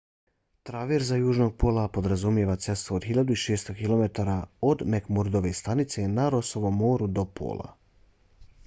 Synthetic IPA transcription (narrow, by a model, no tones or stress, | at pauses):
t̪ɾaʋeɾzajuːʒno̞ɡ̚pʰo̞ːlˠapo̞d̪ɾazumjeʋat̪se̞st̪ʋooːd̪xiʎad̪uiʃeːst̪o̞kilˠo̞me̞t̪aɾaod̪mekmuɾd̪o̞ʋe̞st̪anit̪se̞naɾo̞so̞ʋo̞mːo̞ːɾud̪o̞pʰo̰ːlˠa̰